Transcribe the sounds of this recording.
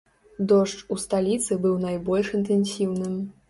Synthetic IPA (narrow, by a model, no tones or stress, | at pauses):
d̪ɔʂt͡ʂust̪alʲit̪sɨbɨwnajbɔlʲʂint̪ɛnsʲiwnɨm